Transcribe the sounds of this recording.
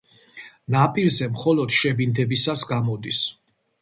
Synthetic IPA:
napʼiɾzɛmχɔlɔd̪̥ʃɛbind̪ɛbisasɡamɔd̪is

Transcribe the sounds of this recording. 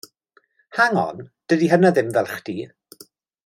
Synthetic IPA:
haŋɔ̰nd̥ədiɦənaðɪmvɛlˠχd̥i

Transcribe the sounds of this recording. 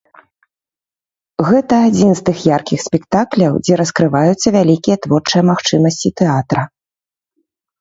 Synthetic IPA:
ɣɛt̪ɐːd͡zʲinst̪ɨxjarkʲixsʲpʲɛkt̪aklʲɐwd͡zʲɛɾɐskɾɨvajut̪sːɐvʲalʲikʲijɛt̪vɔrt͡ʂɨjɛmaxt͡ʂɨmɐsʲt͡sʲit̪ɛat̪ɾɐ

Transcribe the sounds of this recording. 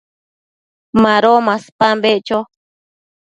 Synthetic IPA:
mãɾomaspambeʔt͡ʃo

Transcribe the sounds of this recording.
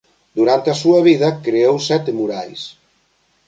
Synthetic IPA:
d̪uɾant̪asuaβ̞iðɐkɾeowsɛt̪muɾaʎs

